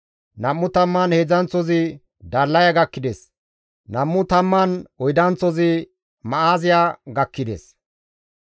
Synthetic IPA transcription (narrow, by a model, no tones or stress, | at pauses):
nɐmːʊt̪ɐmːɐnhed͡zɐnt͡sːɔzɪ | d̪ɐlːɐjɐɡɐkːɪd̪es | nɐmːʊt̪ɐmːɐnɔjd̪ɐnt͡sːɔzɪ | mɐaːzɪjaɡɐkːɪd̪ḛs